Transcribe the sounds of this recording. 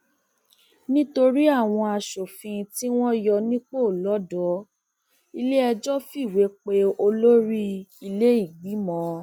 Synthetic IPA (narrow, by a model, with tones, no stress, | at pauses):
nĩ˦to˧ɾi˦a˦˨w̃ɔ̃˧a˧ʃo˨fĩ˧ti˦w̃ɔ̃˦jɔ˧nĩ˦k͡po˦˨lɔ˨˦dɔ˨˦ | i˧le˦ɛ˧d͡ʒɔ˦fi˦˨we˨˦k͡pe˦o˧lo˦ɾi˦i˧le˦i˦˨ɡ͡bi˨˦mɔ̃˨˦